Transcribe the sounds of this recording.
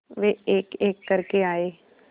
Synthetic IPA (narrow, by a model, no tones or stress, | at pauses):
ʋeeːkeːkːəɾkeaːeː